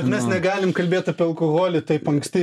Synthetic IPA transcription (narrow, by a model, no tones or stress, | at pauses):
ɛt̪mʲɛsnʲɛɡɑːlʲɪmkɐlʲbʲeːt̪ɐpʲiːɐlˠkoɣoːlʲɪt̪ɐɪpɐŋksʲt̪ʲɪː